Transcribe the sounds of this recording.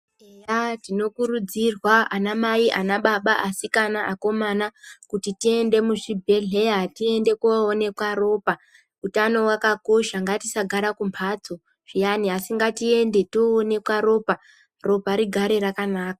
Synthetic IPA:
ejatino̞kuɾud͡zirwaanamaiʔanaɓaɓaʔasikanaʔako̞manakutitie̞nde̞muʐibʱe̞ɮe̞jatie̞nde̞kone̞kwaɾo̞ːpa | utano̞wakako̞ʃaŋɡatisaɡʱaɾakumpʰad͡zo̞ | ʐ̥ijaniɦasiŋɡatie̞nde̞toːne̞kwaɾo̞ːpa | ro̞paɾiɡʱaɾe̞rakanaːkḁ

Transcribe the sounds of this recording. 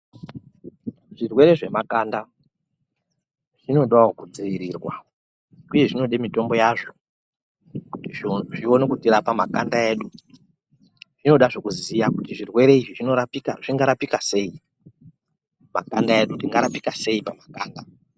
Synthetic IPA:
ʐ̥irwe̞ɾe̞ʐe̞makanda | ʐ̥ino̞ɗawokud͡ziʋiɾiːrwa̰ | uje̞ʐino̞ɗemito̞mbo̞jaʐo̞ | kutiʐio̞nekutirapama̰kandae̞ːɗu | ʐ̥ino̞ɗaʐo̞kuzijakutiʐirwe̞ɾe̞iʐiʐinorapika̰ʐiŋɡaɾapikase̞ːi | ma̰kandae̞ɗundiŋɡaɾapikase̞ipamakaːnda

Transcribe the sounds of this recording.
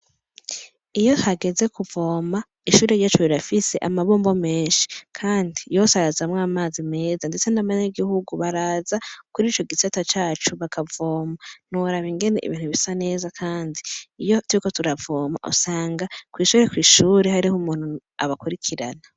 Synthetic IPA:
ijo̞thaɡe̞ze̞kuvo̞ːma | iʃuːɾejat͡ʃoβiɾafise̞ʔamaβo̞ːmbo̞me̞ːnʃi̥kʰaːndijo̞saɾazamŋaːmaːzime̞ːzandet͡se̞naβaɲaɡihuɡuβaɾaːzakuɾiːt͡ʃo̞ɡisatat͡ʃaːt͡ʃuβakʰavoːman̥uɾaβiŋɡe̞ne̞̰ʔḭβiːn̥huβisane̞ːzakʰaːndiijo̞twɾiko̞tuɾavoːma̰ʔṵsaːŋɡakwiːʃuːɾe̞kwiːʃuːɾe̞ɦaɾihumuːn̥u | a̰βakuɾikʰiɾa̰na

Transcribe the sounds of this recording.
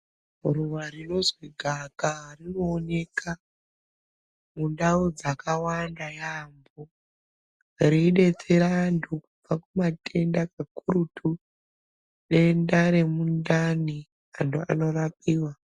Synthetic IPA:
ruʋarino̞zwiɡʱakarino̞ːne̞kʰa | mundaud͡zakawandajambo | riɗe̞t͡seɾandʰukub͡vakumatʰe̞ndakakuɾutʰu | ɗe̞ndaɾe̞mundani | antʰua̰no̞rapiːwa

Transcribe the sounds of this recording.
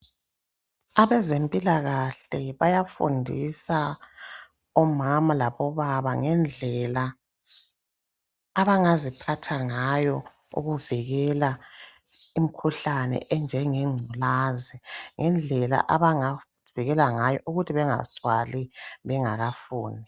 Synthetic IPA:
aβɛzempʼilaɣaɬɛβajafṵndʱisa | ɔmamalaβɔβaβaŋɛnd͡ɮʱɛla | βaŋazipʰatʰaŋajɔ | ṵɣuviɣɛla | im̩kʰuɬanɛ̰ʔɛnd͡ʒʱɛŋɛŋ͡ǀʱulaːzɛŋɛnd͡ɮʱɛla̰ʔaβaŋa | viɣɛlaŋajɔʔuɣutʰiβɛŋa̰swaliβɛŋaɣafuːnʱi

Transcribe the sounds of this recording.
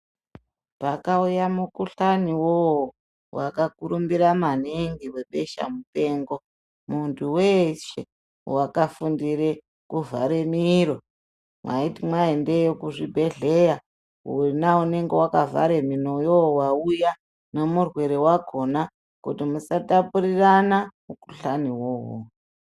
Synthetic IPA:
pakaujamukuɬaniwoo | wakakuɾumbiɾamaneŋɡiwe̞ɓe̞ʃa̰mupe̞ːŋɡo̞ | muntʰuweʃḛ | wakafundiɾe | kuvʱaɾemiɾo̞ | mwa̰itimwaende̞jokuʐibʱe̞ɮeja | ɦṵnaune̞ŋɡe̞wakavʱa̰ɾe̞mino̞jowauja | ne̞murwe̞ɾewaɡʱo̞na | kutimusatapuɾiranamuku̥ɬaniwowo̰

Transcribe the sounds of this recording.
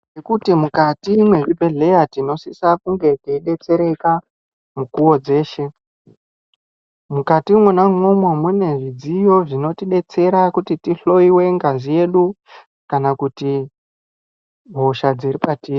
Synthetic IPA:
nekutimukatimwe̞ʐibʱe̞ɮe̞jatino̞sisakuŋɡe̞tiiɗe̞t͡se̞ɾe̞ka | mukuwo̞d͡ze̞ːʃe̞ | mukatimwenaŋomwomune̞ʐid͡zijo̞ʐino̞tiɗe̞t͡se̞ɾakutitiɬo̞iwe̞ŋɡazije̞ɗu | kanakuti | bʱo̞ʃad͡ziripatiːri

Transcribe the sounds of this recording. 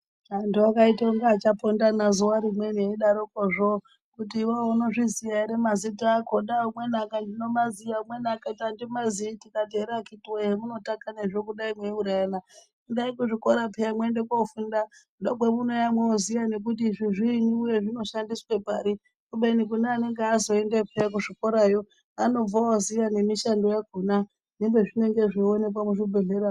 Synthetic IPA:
antuakaitaoŋɡaːt͡ʃapondanazuwaɾimwe̞neiɗaɾokoʐo | kutiːwaono̞ʐiziaiɾemazitakoɗaumwenakandino̞mazijaumwe̞nakatandimazitikateɾakitiweɦemuno̞takaneʐokuɗaimweuɾajana | kundaikuʐiko̞ɾapʰejamwendekaufundakuɗakwemunojamweozijanek̬ut̬iʐiʐiniujeʐino̞ʃandiswepaɾi | kuɓenik̬unaːne̞ŋɡeazo̞endepʰejak̬uʐiko̞ɾajo | ano̞vaozijanemiʃando̞jaɡʱuna | nembeʐineŋɡe̞ʐeonek̬wamuʐibʱeɮeɾa

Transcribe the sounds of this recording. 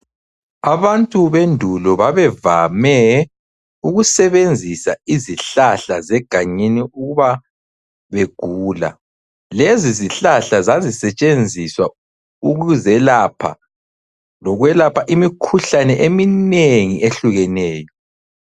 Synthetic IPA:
aβantʼuβendʱulɔβaβɛvamɛ | uɣusɛβend͡zʱisaiziɬaɬazɛɡ̥ʱaɲiniuɣuβa | βeɡ̥ʱuːla̰ | leziziɬaɬazazisɛt͡ʃʼend͡zʱiswa | uɣuzɛlapʰa̰ | lɔɣwɛlapʰaʔimikʰuɬanɛʔemineŋiʔeɬuɣɛnɛːjɔ

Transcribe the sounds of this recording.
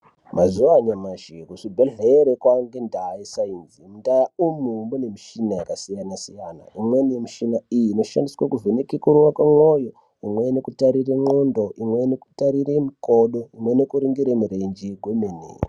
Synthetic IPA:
mazuʋaɲamaʒikuʂibʱeɮeɾekwaŋɡendaisainzimundajaumumunemiʃinajakasijanasijana̰imwenmiʃinaijiːno̞ʃa̰ndiswakuvʱenekekuɾuwakwamwojo | imweinekutaɾiremondoʔimwenekutaɾiremikoɗoimwenekuɾiŋɡiɾemuɾend͡ʒiɡʱwemenḛːri

